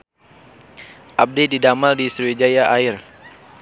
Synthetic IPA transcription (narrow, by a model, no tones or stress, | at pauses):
ʔab̚dididamaldisɾued͡ʒajaʔaɪr